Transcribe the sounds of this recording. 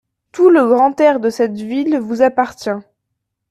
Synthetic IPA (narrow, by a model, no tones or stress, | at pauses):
t̪uləɡʁɑ̃t̪ɛʁd̪əsɛt̪vilvuzapaʁt̪jɛ̃